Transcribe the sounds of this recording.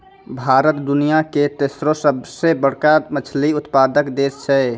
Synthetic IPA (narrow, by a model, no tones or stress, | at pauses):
bʱaɾət̪d̪unijaket̪esɾosəbsebəɽ̤kamət͡ʃʰliʊt̪pad̪əkd̪est͡ʃʰɛ